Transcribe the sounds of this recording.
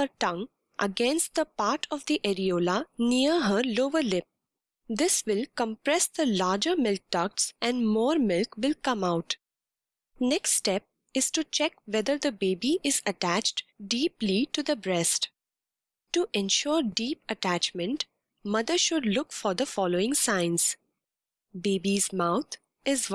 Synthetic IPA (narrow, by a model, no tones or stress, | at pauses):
əɾʈʌ̃ŋ | ʔə̰ɡɛ̃nsʈ̚d̪əpaːɾʈʰɔʋd̪iʔɛɾioːlaniəɾɦəɾloːʋəɾlɪp̚ | d̪ɪsʋɪlkə̃mpɾɛsd̪əlaːd͡ʒəɾmɪlk̚ʈʌk̚sʔɛ̃nɖmɔːɾmɪlkʋɪlkʌ̃maʊʈ | nɛkssʈɛp̚ | ɪz̥ʈut͡ʃɛkʋɛd̪əɾd̪əbeːbiʔɪzəʈæt͡ʃʈɖiːpliʈud̪əbɾɛsʈ | ʈuʔɛ̃nʃɔːɾɖiːpəʈæt͡ʃmə̃nʈ | mʌd̪əɾʃʊɖlʊkfɔɾd̪əfɔloːɪ̃ŋsãɪ̃nz | beːbizmaʊt̪ʰ | ɪz